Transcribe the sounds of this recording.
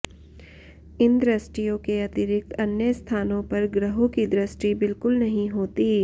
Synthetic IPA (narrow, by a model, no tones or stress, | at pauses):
ɪnd̪ɾɐsʈijõkeɐt̪ɪɾɪk̚t̪ɐnjəst̪ʰaːnõpɐɾɡɾəɦõkid̪ɾɪsʈibɪlkʊlnɐɦĩɦoːt̪iː